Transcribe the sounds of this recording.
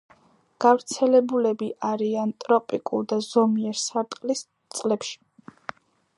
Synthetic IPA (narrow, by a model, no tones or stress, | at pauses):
ɡ̥avɾt̪sʰɛlɛbulɛbiʔaɾiant̪ʼɾɔpʼikʼṵlˠd̪azɔmiɛɾsaɾt̪ʼqʼlis | t̪sʼlɛpʃi̥